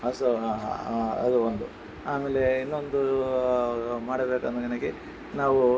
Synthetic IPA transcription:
ɐsɐ | ɐ̰d̪uond̪u | aːmeːle̞inːo̞nd̪u | maːɽɐbeːkɐnd̪ɐɡɐnɐɡe | naːʋu

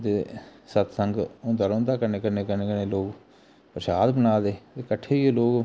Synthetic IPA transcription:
d̪eːsət̪səŋɡõːnd̪aːɾõːnd̪aːkəɾneːkəɾneːkəɾneːkəneːloːk | pəɾʃaːd̪bənaːd̪eːt̪eːkəʈʰːeːieːloːɡ

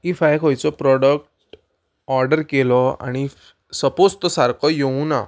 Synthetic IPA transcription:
ifajkɔjt͡sɔpɾɔɽək̚ʈ | ɔɾɖəɾkelɔa̰ɽ̃i | səpost̪ɔsaɾkʰɔjoũna̰

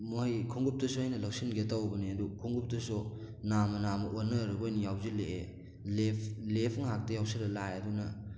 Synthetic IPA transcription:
mojkʰuŋɡup̚tɐsuhajnɐlawsinɡetawbɐniɐdukʰuŋɡup̚tɐsu | namɐnamɐʔonːɐɾɯɡojnijawzileʔe | lepʰlepʰɯŋɦak̚tɐjawsiɾɐlajɐdunɐ

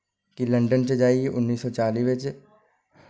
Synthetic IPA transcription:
kilɐ̃ɳɖənt͡ʃed͡ʒaːieʔʊnːiːsːɔt͡ʃaːliʋet͡ʃe

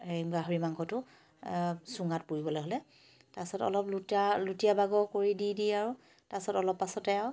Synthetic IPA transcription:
eɡaɦoɹimaŋkʰɔtʊ | suŋatpuɹibɔloɦolɛ | tasɔtɔ̰lɔplutalutijabaɡɔkoɹididiaɹʊ | tasɔtɔlɔpːasɔtɛaw

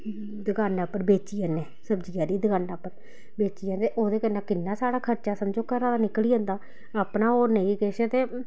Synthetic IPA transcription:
d̪əɡaːnːaːpːəɾbeːt͡ʃiːaːneːsəbd͡ʒijãːɾiːd̪əɡaːnaːpːəɾ | beːt͡ʃijaːnt̪eʔoːd̪eːkənːãːkɪnːaːsaːɽaːkʰəɾt͡ʃaːsəmd͡ʒoːkəɾãːd̪aːnɪkliːə̃ːnd̪aː | aːpnaːoːnəĩːkeʃt̪eː

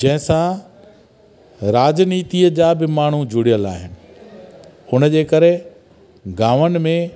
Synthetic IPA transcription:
d͡ʑɐ̃ɦɪ̃sã | ɾaːd͡ʑniːt̪iəd͡ʑaːbɪmaːɳ̤ud͡ʑʊɽijəlaːɦɪnɪ̆ | ʊnəd͡ʑeːkɐɾe | ɡaːʋənɪ̆mẽ

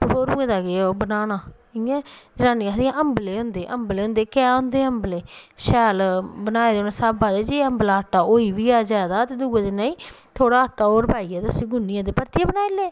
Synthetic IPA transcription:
ɾoːɾũːẽːd̪aːɡeobənaːnaː | ɪãːd͡ʒəɾãːniːɦd̪iãʔəmbleːɦʊ̃nd̪eːʔəmbleːɦʊ̃nd̪eːkɛːɦʊ̃nd̪eːəmbleːʃɛːlbənaːeːd̪eoːnãːsaːbaːd̪eːd͡ʒeːəmblaːəʈːaːoːiːʋiːaːd͡ʒaːd̪aːt̪eːd̪uːɡẽːd̪eːnãːĩːt̪ʰoːɽaːəʈːaːoːɾpaːiːɛːt̪sĩːɡʊnːijãːd̪eːpəɾt̪iaːbənaːeleː

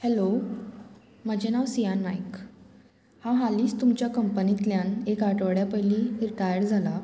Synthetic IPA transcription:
helo | məd͡ʑenaʋsijanmajk | haɦaliːst̪umt͡ɕjakəmpənit̪ljanekaʈʋəɽjapəjliɾiʈajəɾd͡zʱala

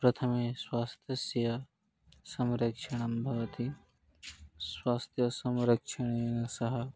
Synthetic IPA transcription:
pɾɐt̪ʰɐmeswaːst̪ʰjɐsjɐ | sɐ̃mɾɐkʃɐɳ̃ɐmbʱɐʋɐt̪i | swaːst̪ʰjɐsɐ̃mɾɐkʃɐɳ̃ejnɐsɐɦɐ

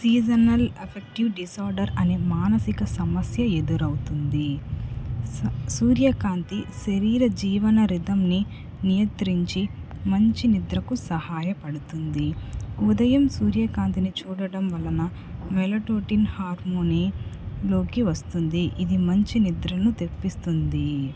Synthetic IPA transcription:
siːd͡ʒɐnɐlepʰek̚ʈiʋɖisaːɾɖɐɾɐne̞ːmaːnɐsikɐsɐmɐsjɐe̞d̪uɾɐwut̪und̪i | suːɾjɐkaːnt̪iʃɐɾiːɾɐd͡ʒiːʋɐnɐɾid̪ɐmni | nijɐnt̪ɾiɲt͡ʃi | mɐɲt͡ʃinid̪ɾɐkusɐhaːjɐpɐɽut̪und̪iud̪ɐjɐmsuːɾjɐkaːnt̪init͡ʃuːɽɐɽɐmʋɐlɐnɐ | mɛlɐʈoːʈinhaːɾmoniːlo̞ːkiʋɐst̪und̪iʔid̪imɐɲt͡ʃinid̪ɾɐnut̪e̞pːist̪und̪i

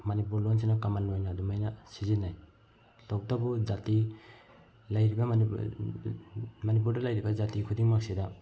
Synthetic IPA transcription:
manipuɾlons̬inakamanojnadumajnasizinːaj | tɔk̚tabud͡ʒati | lajɾibɐ | manip̬uɾdalajɾibɐzatikʰudiŋmak̚sida

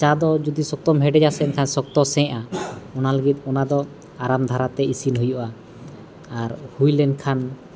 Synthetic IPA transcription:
t͡ʃad̪ɔd͡ʒud̪isɔk̚t̪ɔmɦɛɖɛd͡ʒasɛnkʰansɔk̚t̪ɔsɛ̃ʔaɔnaləɡit̪̚ɔnad̪ɔ | aɾamd̪ʱaɾat̪ɛisinɦujuʔaː | ɾhujlɛnkʰan

